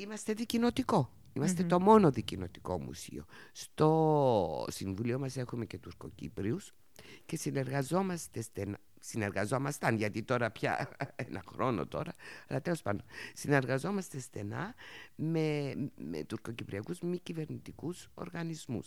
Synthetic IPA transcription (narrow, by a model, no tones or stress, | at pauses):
imɐst̪e̞ðicino̞t̪iko̞ | imɐst̪e̞t̪o̞mo̞no̞ðicino̞t̪i̥ko̞̰mṵsḭo̞̰st̪o̞ | siɱvulio̞mɐse̞xume̞ce̞t̪uɾko̞̰cḭpɾius | ce̞sine̞ɾɣɐzo̞mɐst̪e̞st̪en | sine̞ɾɣɐzo̞mɐst̪ɐnʝɐt̪it̪o̞ɾɐpçɐ̰enɐ̰xɾo̞no̰t̪o̞ɾɐɐlɐt̪elo̞spɐnd̪onsine̞ɾɣɐzo̞mɐst̪e̞sθe̞nɐ̰memḛt̪uɾko̞cipɾiɐkuzmicive̞ɾnit̪ikuso̞̰ɾɣɐnizmṵs